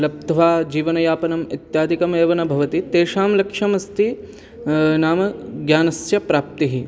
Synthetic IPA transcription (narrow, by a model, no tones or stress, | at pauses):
lɐp̚t̪ɐʋaːd͡ʒiːʋɐnɐjaːpɐnɐmḭt̪jaːd̪ikɐmeːʋɐnɐbʱɐʋɐt̪it̪eːʂaːmlɐkʂɐmɐst̪i | naːmɐɡjaːnɐsjɐpɾaːp̚t̪iɦi